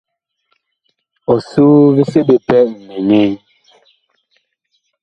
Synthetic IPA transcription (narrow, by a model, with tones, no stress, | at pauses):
ɔ˨su˦βe˦se˦ɓe˨pɛ˦˨m̩˨me˨ne˦